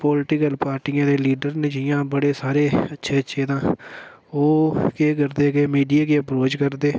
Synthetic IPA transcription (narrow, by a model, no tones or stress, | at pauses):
poːlɪʈɪkəlpaːɾʈiːãːd̪eːliːɖəɾneːd͡ʒiːjãːbəɽeːsaːɾeːətːʃʰeːətːʃʰeːd̪ãː | oːkeːk̬əɾd̪eːkeːmiːɖijaːkeəpɾoːt͡ʃkəɾd̪eː